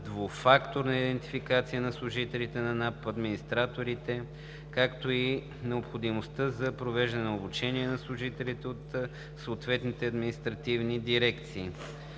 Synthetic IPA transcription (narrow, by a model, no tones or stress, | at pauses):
d̪vofakt̪oɾnɐid̪ɛnt̪i̥fikat̪sijənɐslˠʊʒit̪ɛlit̪ɛnɐnapɐd̪minist̪ɾat̪oɾit̪ɛ | kakt̪oi | nɛopxod̪imost̪ɤzɐpɾovɛʒd̪ɐnɛnɛobut͡ʃɛniɛnɐslˠʊʒit̪ɛlit̪ɛot̪ | sɐːt̪vɛt̪nit̪ɛɐd̪minist̪ɾɐt̪ivnid̪iɾɛkt̪siː